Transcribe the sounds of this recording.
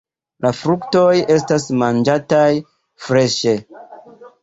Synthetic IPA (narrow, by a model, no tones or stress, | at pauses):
lafɾukto̞je̞stasmand͡ʒataj | fɾe̞ʃe̞